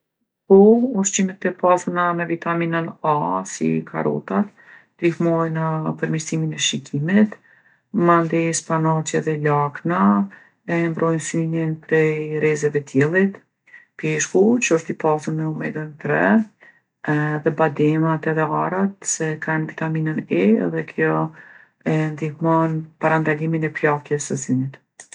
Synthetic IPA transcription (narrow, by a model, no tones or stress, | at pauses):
pɔɔʃt͡ʃimɛt̪ːɛpasunamɛvit̪aminənasḭkʰa̰ɾɔ̰t̪at̪ | d̪ihmɔjnəpəɾmiɾsiminɛʃikʰimit̪ | mand̪ɛspanat͡ʃɛðɛlakna | ɛmbɾɔjnsynjɛnpɾɛjɾɛzɛvɛt̪jɛlˠit̪ | pɛʃkut͡ʃəəʃt̪ipasunəɔmɛɡənt̪ɾɛ | ðɛbad̪ɛmat̪ɛðɛaɾat̪̚sɛkanvit̪aminənɛɛ̰ðɛkʰjɔ | ɛnd̪ihmɔnpaɾand̪aliminɛplakjɛsəzynit̪